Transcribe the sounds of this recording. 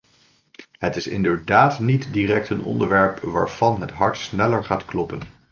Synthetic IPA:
ɦətɪsɪ̰ndəɹdaːtnitdiːrɛk̚tənɔ̰ndəɹʋɛɹpʋa̰ːɹv̥ɑnɦətɦɑɹtsnɛləɹχaːtklɔpən

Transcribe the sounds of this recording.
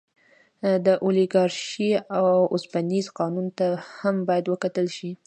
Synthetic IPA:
d̪əʔoliɡɑɾʃiawosbanizqɑnunt̪ahambɑjad̪wəkat̪əlʃi

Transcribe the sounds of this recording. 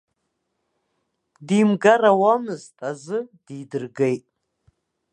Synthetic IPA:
diːmɡarawamɨztʼazɨd̥iːdɨrɡejtʼ

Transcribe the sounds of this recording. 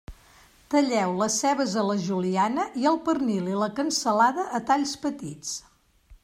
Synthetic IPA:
t̪əʎɛwləsɛβəzələʒulianəʔiəlˠpərnililəkənsəlaðəʔːt̪aʎspət̪it͡s

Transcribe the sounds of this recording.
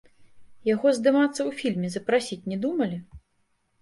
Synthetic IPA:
jaɣɔzd̪ɨmat̪sːɐwfʲilʲmʲizɐpɾasʲit͡sʲnʲɛd̪umɐlʲi

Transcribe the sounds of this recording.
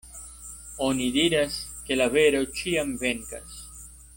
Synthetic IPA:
oniðiɾaskelaβeɾot͡ʃiaŋbeŋka̰s

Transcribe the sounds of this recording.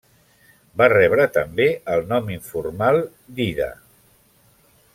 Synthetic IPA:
barɛβ̞ɾət̪əmbeəlˠnɔmiɱfuɾmalˠ | d̪iðə̰

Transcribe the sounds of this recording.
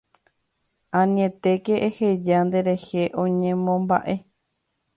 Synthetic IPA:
ãnĩẽt̪e̞keʔehed͡ʒand̪e̞ɾe̞he̞ʔõɲẽmõmba̰ʔe̞

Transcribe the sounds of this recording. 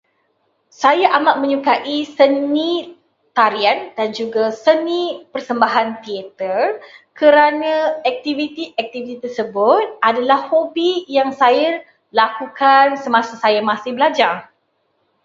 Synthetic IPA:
sajaʔamaʔ̚mə̃ɲukaʔisənĩ | t̪aɾiandand͡ʒuɡasənĩpərsəmbaɦant̪iet̪ərkəɾanãɛk̚t̪ivit̪iʔɛk̚t̪ivit̪it̪ərsəbʊt̪̚adalahhobijaŋsaar | lakukansəmãsasajamasɪhbəlad͡ʒar

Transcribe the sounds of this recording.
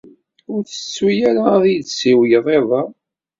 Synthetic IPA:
ʊɾθə̥sːujæɾaðˤjdsiwjəðˤeðˤɑˤ

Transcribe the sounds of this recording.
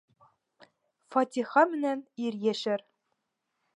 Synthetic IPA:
fɑt̪ʲiχɑmɘ̆næniɾjeʃɘ̆ɾ

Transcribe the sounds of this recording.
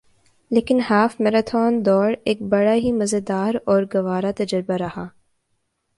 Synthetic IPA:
leːkɪnhaːfmeːɾat̪ʰɔːnd̪ɔːɾeːk̚bɐɽaɦimɐzəd̪aːɾɔːɾɡɐʋaːɾat̪ɐd͡ʒəɾbaɾɐhaː

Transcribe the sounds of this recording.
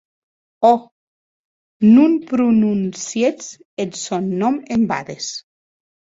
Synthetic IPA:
ɔ | nunpɾununsjet͡s | etsɔnːɔmemba̰ðes

